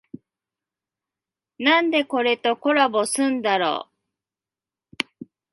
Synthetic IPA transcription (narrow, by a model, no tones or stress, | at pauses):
nãnd̪e̞ko̞ɾe̞t̪o̞ko̞ɾabo̞sɨ̃nd̪aɾo̰ː